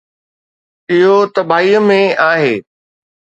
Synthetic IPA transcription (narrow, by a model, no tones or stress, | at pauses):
ɪɦot̪ɐbʱaːiːəmẽaːɦeː